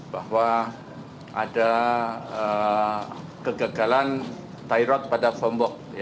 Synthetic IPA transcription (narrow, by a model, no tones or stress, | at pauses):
bahwa | ada | ə | kəɡaɡalan | t̪ajɾɔt̪̚padafɔmbɔk̚j